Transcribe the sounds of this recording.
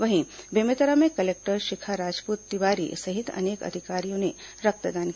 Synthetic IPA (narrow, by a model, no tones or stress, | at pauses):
ʋəɦĩbemet̪əɾamẽkəlek̚ʈəɾʃikʰaɾad͡ʒpuːt̪ːiʋaɾḭsɐɦit̪ɐ̰nekə̰d̪ʱikaɾijõne | ɾək̚t̪əd̪aːn